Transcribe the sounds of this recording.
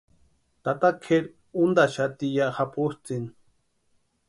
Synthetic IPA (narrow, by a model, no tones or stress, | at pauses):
t̪at̪akʰeɾ | und̪aʃat̪ijaʔhapust͡sin